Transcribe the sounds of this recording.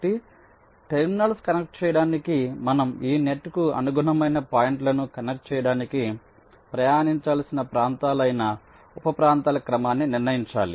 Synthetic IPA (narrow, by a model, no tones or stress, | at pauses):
ʈi | ʈeɾminɐlskɐnek̚ʈ̚t͡ʃɛːjɐɽaːnikimɐnɐmiːne̞ʈːkuɐ̰nuɡuɳɐmɐjnɐpaːjiɳʈlɐnukɐnek̚ʈ̚t͡ʃɛːjɐɽaːniki | pɾɐjaːniɲt͡ʃaːlsinɐpɾaːnt̪aːlɐjnɐ | upɐpɾaːnt̪aːlɐkɾɐmaːnːiniɾnɐjiɲt͡ʃa̰ːlḭ